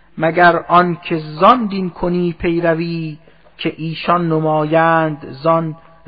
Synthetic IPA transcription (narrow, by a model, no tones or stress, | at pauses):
mæɡæɾʔɒnkʲʰezɒnd̪inkʰoniːpʰe̞jɾæviː | kʰeʔiːʃɒnːomɒːjæːnd̪zɒn